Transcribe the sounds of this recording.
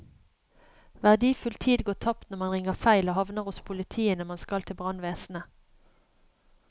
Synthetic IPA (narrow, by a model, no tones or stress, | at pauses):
ʋæʁd̪iːfʉlt̪ʰiːd̪ɡoːt̪ʰɑpt̪nɔʁmɑnʁɪŋəʁfæɪloːhɑʋnəʁʊspʰʊlɪt̪ʰiːənəmɑnskɑlt̪ʰɪlbʁɑnʋeːsn̩ə